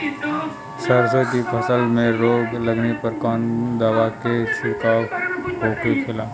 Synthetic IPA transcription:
səɾsokipʰəsəlmẽɾoːɡləɡnepəɾkɔːnd̪aːʋakesɪkaːwɦoːkekʰɪlaː

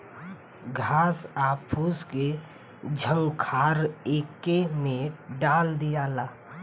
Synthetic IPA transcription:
ɡʱasapʰuske | d͡ʒʱə̃ŋɡkʰaɾekːemẽɖald̪ijala

